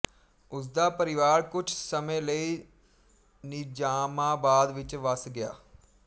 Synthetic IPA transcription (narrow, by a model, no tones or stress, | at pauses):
ʊs̬d̪aːpəɾɪʋaːɾkʊt͡ʃʰsəmẽːləiː | nɪd͡ʒaːmãːbaːd̪ʋɪt͡ʃʋəsɡɪja̰ː